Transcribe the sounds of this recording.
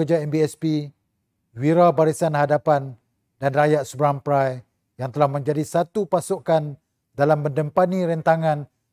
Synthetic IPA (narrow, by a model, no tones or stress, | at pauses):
əd͡ʒaɛmbiɛspi | wiɾabaɾisanhadapan | danrajaʔ̪subɾampɾaj | jaŋt̪əlahmə̃ɲd͡ʒadisat̪upasukan | dalamːəndəmpaniɾɛnt̪aŋãn